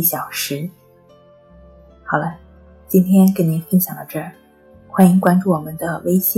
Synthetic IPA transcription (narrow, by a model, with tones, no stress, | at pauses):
ɕjɑ˨˩ʊʂɻ̩˧˥ | xɑ˨˩ʊlə˦ | t͡ɕi˥nt̪ʰjɛ˥nknni˧˥nfə˥nɕjɑ˨˩ŋlə˧˦ʈ͡ʂɤ˥˩ | xwa˧˥ni˧˥ŋkwa˥nʈ͡ʂu˥˩wɔ˨˩mə˦nd̪ə˧we˥ɪɕi˥